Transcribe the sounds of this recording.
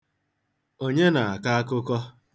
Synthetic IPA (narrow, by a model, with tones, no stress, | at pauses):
o˦ɲe˦na˨a˨ka˦a˦kʊ˦kɔ˦